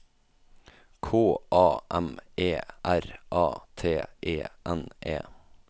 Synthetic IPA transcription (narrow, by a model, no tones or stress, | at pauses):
kʰoːʔɑːʔɛmeːʔæɾʔɑːt̪ʰeːʔeːʔɛnʔḛː